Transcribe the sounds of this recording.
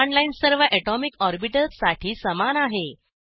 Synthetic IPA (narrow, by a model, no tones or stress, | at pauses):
ɔɳlainsəɾʋəʔɛʈɔmikɔɾbiʈəlsaʈʰiːsəmanaɦe